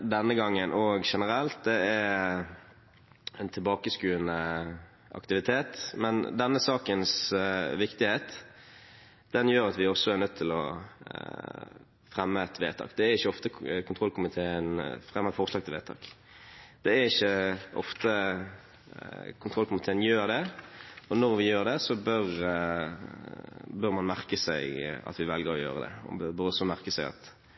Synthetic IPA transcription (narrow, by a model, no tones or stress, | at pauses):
d̪ɛnːəɡɑŋːənʔɔɡʂɛnəɾɛlt̪̚d̪ɛæ | ɛnt̪ʰɪlbɑːkəskʉːənə | ʔɑ̰kt̪ɪʋɪt̪ʰeːt̪mɛnd̪ɛnːəsɑːkənsʋɪkt̪ɪheːt̪ | d̪̥ɛnjøːɾɑt̪ʋɪɔsːɔæɾnœd̪̚t̪ʰːɪlɔ | fʁɛmːəɛt̪ʰʋḛːt̪ʰɑ̰ːkd̪̥ɛæɾɪçːəɔft̪əkʰʊnt̪ʰʁɔlːkʊmɪt̪ʰeːənfʁɛmːəfɔʁʂlɑːɡ̚t̪ʰɪlʋeːt̪ʰɑ̰ːk | d̪̥ɛæɾɪçːəʔɔ̰ft̪ə | kʰʊnt̪ʁɔlkʊmɪt̪ʰeːənjøːɾd̪ɛɔnɔʁʋɪjøːʁd̪ɛsɔbœɾ | bœʁmɑnmæʁkəsæɪɑ̰t̪ʋɪʋɛlɡəɾɔjø̰ːʁəd̪ɛ̰ɔ̰bəɾɔsːɔmæʁkəsæɪɑ̰t̪